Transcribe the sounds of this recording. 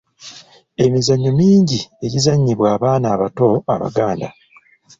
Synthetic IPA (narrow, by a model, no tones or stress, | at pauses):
e̞mizaɲːomiːɲɟie̞ɟizaɲːiβwaːβaːnaːβato̞aβa̰ɡaːnda̰